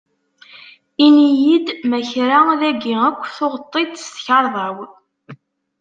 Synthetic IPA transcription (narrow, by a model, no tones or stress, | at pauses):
inijid̪mæçɾaðæɡiækʷːθoʁət̪ˤːed̪st̪çɑɾˤðˤɑw